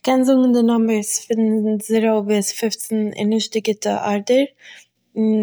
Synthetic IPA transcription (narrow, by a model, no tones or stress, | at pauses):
kɛnzʊɡŋ̩dɪnɔməsfɪnnzɪɾobisfɪft͡sn̩ɪ̰nːɪʃt̚dɪɡɪtə̰ʔaɾdəɾ | n